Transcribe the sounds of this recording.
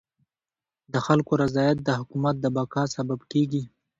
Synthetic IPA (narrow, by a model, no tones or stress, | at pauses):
d̪əxalkoɾazɑjat̪̚d̪əhʊkumat̪̚d̪əbakɑsababkeɡi